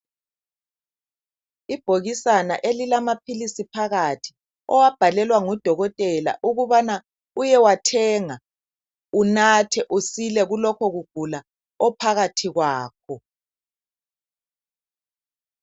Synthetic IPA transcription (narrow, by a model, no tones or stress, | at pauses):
ib̥ʱoɣisana̰ʔelilamapʰilisipʰaɣatʰi̥ | ɔwab̥ʱalɛlwaŋɔd̥ʱɔɣɔtʼɛla̰ʔuɣuβana | ujɛwatʰɛːŋa | unatʰɛʔusilɛɣulɔkʰɔɣuɡ̥ʱula | ɔpʰaɣatʰiɣwaːk̚ʰɔ